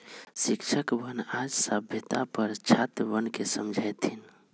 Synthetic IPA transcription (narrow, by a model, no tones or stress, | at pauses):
sikt͡ʃʰəkbənad͡ʒsəbʱjət̪apəɾt͡ʃʰat̪bənkesəmd͡ʒʱajt̪ʰin